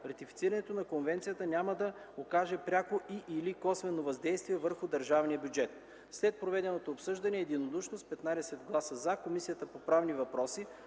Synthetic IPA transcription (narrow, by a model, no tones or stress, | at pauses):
ɾɐt̪ifi̥t̪siɾɐnɛt̪onɐkonvɛnt̪sijət̪ənʲaməd̪ɐ | okaʒɛpɾʲakoʔiʔilikɔsvɛnovɐzd̪ɛjst̪viɛvəɾxʊd̪ɐɾʒavnijəbʲjud͡ʒɛt̪ | slɛt̪̚pɾovɛd̪ɛnot̪oːpsɤʒd̪ɐnɛːd̪inod̪uʃnospɛt̪nad̪ɛsɛtd̪ɡlˠasəzakomisijət̪əpopɾavnivɐpɾɔsi